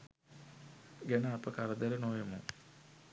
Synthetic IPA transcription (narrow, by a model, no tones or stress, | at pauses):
ɡenɐːpɐkɐɾɐd̪ɐɾɐnoːjɐmṵ